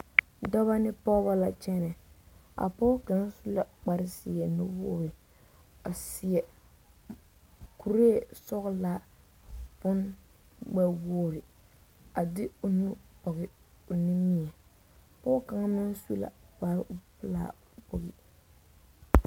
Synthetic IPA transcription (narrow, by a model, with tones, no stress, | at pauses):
dɔ˦βa˦nɪ˦pɔ˦ba˦la˨t͡ʃɛ˦nɛ˨a̰˨pɔː˦ka˨ŋ˦su˦la˨k͡pa˦ɾɪ˦sɪ˨ɛ˨nʊ˦woː˦ɾɪ˨ | a˨sɪ˨ɛ˨ | ku˨ɾe˦˨sɔ˦ɣʊ˦la˦ | pʊ˦n | ɡ͡bɛ˦woː˦˨ɾɪ˨ | a˨dɪ˦ʊ˨nu˦pɔ˨ɣɪ˨ | ʊ˨nɪ˦mi˦ɛ˨ | pɔː˦ka˨˦ŋ˦mɪ˦n˦su˦la̰˨pa˨˦ɾʔʊ˦pɨ˦la̰ː˦˨ | po˨ɣɪ̰˨